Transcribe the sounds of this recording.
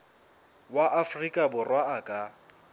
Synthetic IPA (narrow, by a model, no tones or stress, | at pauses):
waʔafrikʼabʊrwaːkʼa